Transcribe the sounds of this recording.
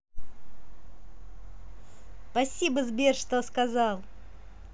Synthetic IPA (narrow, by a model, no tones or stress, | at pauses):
spɐsʲibəzbʲerʂt̪oskɐzɑlˠ